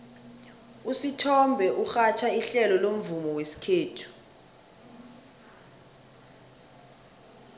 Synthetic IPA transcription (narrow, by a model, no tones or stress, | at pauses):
usitʰɔmbʱɛʔuxat͡ʃʰaiɬɛlɔlom̩vumɔwesi̥kʰeːtʰu̥